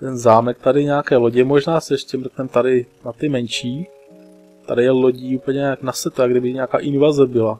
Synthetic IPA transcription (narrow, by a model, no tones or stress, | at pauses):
t̪ɛnzaːmɛk̚t̪adɪɲaakɛːloɟɛmoʒnaːsɛɛʃcɛmɾt̪ɛmt̪aɾɪnat̪ɪmɛnʃiː | t̪adɪjɛloɟiːuːpəl̩ɲɛɲaknasɛt̪oaɡdɪbɪɲaːkaːʔɪnvazɛbɪla